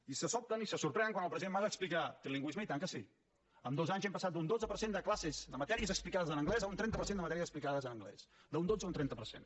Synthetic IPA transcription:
isəsɔp̚t̪ənisəsuɾpɾɛnəŋkwanəlˠpɾəziðemazəksplikat̪ɾiliŋɡwizməit̪aŋkəsi | əmd̪ozaɲzempəsat̪̚d̪und̪od͡zzəpəɾsend̪əklasezd̪əmət̪ɛɾiəzəksplikaðəzənəŋɡlɛzəunt̪ɾɛnt̪əpəɾsendəmət̪ɛɾiəzəksplikaðəzənəŋɡlɛ̰sd̪əund̪od͡zəunt̪ɾɛnt̪əpəɾsḛn

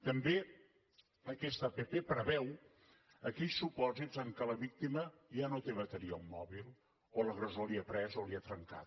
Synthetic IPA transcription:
t̪əmbe | əkɛst̪əpepepɾəβɛw | əkɛʎsupɔzizəŋkələβik̚t̪iməʒanot̪eβət̪əɾiumːɔβilˠ | oləɣɾəzoliapɾɛzoliat̪ɾəŋka̰t̪

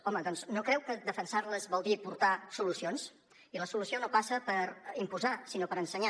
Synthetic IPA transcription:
ɔməðɔnznokɾɛwkəd̪əfənsaɾləzbɔlˠd̪ipuɾt̪asulusions | iləsulusionopasəpəɾimpuzasinopəɾənsəɲa

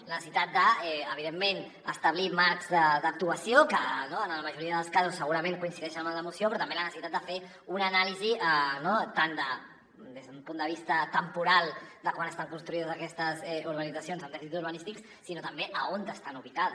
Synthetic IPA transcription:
lənəsit̪at̪̚d̪əɛəβiðemːen | əst̪əβlimaɾkz̥d̪əd̪ək̚t̪uəsijokənoənləməʒuɾiəðəlˠskazusːəɣuɾəmeŋkuinsiðɛʃənmald̪əmusiopɾɔt̪əmbelənəsit̪at̪d̪əfe | unənaliziənot̪and̪ə | d̪ezðəumpund̪əβist̪ət̪əmpuɾalˠd̪əkwanəst̪aŋkunst̪ɾuiðəzəkɛst̪əzɛuɾɣənid͡zəsionzəmd̪ɛfisit̪uɾβənist̪iks | sːinot̪əmbeʔəont̪əst̪anuβ̞ikað

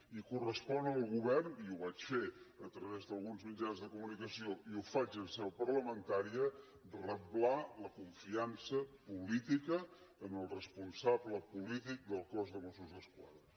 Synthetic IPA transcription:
ikurəspɔnəlˠɣuβɛrniuβat͡ʃfeət̪ɾəβezðəlˠɣunzmid͡ʒanzðəkumunikəsioiufat͡ʃənsɛwpərləmənt̪aɾiə | rəplaləkuɱfiansəpulit̪ikəː | məlˠrəspunsabləpulit̪ik̚d̪əlˠkɔzðəmosuzðəskwa̰ðə

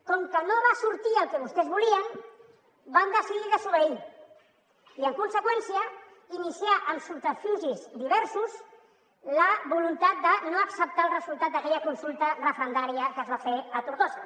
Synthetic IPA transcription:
kɔŋkənoβasuɾt̪iəlˠkɛβust̪ɛzβuliən | band̪əsiðiðəsuβəi | iəŋkunsəkwɛnsiə | inisiaʔəmsult̪əfuzizd̪iβ̞ɛɾsuz | ləβulunt̪at̪̚d̪ənoəksəp̚t̪aəlˠrəzulˠt̪at̪̚d̪əkɛʎəkunsulˠt̪ərəfɾənd̪aɾiəkəzβafeət̪uɾɣos

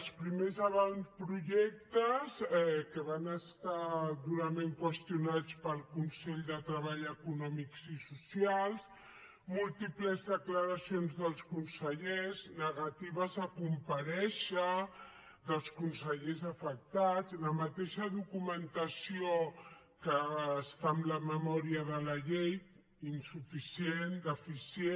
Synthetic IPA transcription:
əlˠspɾimezəβanspɾuʒɛk̚t̪əzɛkəβanəst̪ad̪uɾəmẽŋkwəst̪iunat͡spəlˠkunsɛʎd̪ət̪ɾəβ̞aʎəkunɔmikzisusialˠs | mulˠt̪ipləzðəkləɾəsionzðəlˠskunsəʎeznəɣat̪iβ̞əzəkumpəɾɛʃə | ðəlˠskunsəʎezəfək̚t̪ad͡zləmət̪eʃəðukumənt̪əsio | kəːst̪amləməmɔɾiəðələʎejt̪ | insufisiend̪əfise

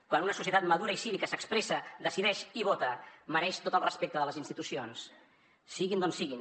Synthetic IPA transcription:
kwanunəsus̬iət̪at̪məðuɾəisiβikəsəkspɾesəðəsiðɛʃiβot̪əməɾɛʃt̪ot̪əlˠrəspek̚t̪əðələzinst̪it̪usionsː | iɣind̪onsiɣin

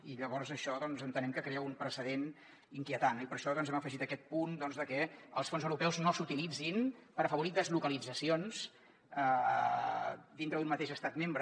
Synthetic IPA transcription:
iʎəβɔɾzəʃɔðɔnzənt̪ənɛmkəkɾeəumpɾəsəðen | iŋkiət̪anipəɾʃɔðɔnzɛməfəʒit̪əkɛt̪̚pund̪ɔnzðəkɛəlˠsfonzəwɾupɛwznosut̪ilid͡zinpəɾəfəβuɾit̪d̪əzlukəlid͡zəsions | ə | d̪int̪ɾəðunmət̪eʃəst̪at̪membɾə

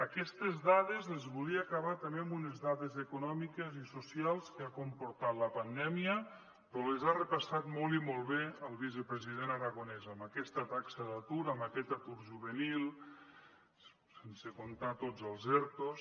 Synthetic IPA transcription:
əkɛst̪ezðaðezezβuliəːkaβat̪əmembunezðaðezekunɔmikezisusialˠskeakompuɾt̪at̪ləpand̪ɛmiə | pɾɔlezarəpasat̪mɔlˠimɔlˠβeəlˠβizəpɾəziðenaɾaɣonɛzəmbəkɛst̪ət̪aksəðat̪uɾəmbəkɛt̪at̪uɾʒuβənilˠ | sensekont̪at̪od͡zəlˠzɛɾt̪os

